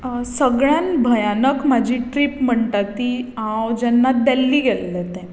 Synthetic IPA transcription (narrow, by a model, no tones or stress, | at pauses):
səɡɭjãnbʱəjanəkmad͡ʑʱiʈɾipm̤əɳʈat̪ːiãwd͡ʑɛnːad̪ɛlːiːɡɛlːɛt̪ɛ̃